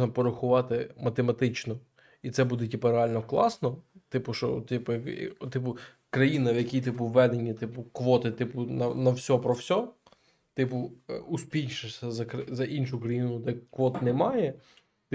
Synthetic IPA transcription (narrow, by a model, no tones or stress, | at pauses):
nɐpɔɾɐxʊʋɑt̪ɪmɐt̪emɐt̪ɪt͡ʃnɔ | it̪sɛbud̪ɛtʲipɐɾeɑlʲnɔklˠɑsnɔt̪ɪpʊʃɔt̪ɪpɐ̰t̪ɪp̬ʊ | kɾɐjinɐwjɐkʲijt̪ɪpʊʋːɛd̪enʲːit̪ɪpʊkʋɔt̪ɪt̪ɪpʊnɐnɐwsʲɔpɾɔwsʲɔ | t̪ɪpʊuspʲijʃɐsʲɐzɐkɐzɐʔinʃʊkɾɐjinʊt̪ɛkʋɔt̪nɛmɑjɛ | t̪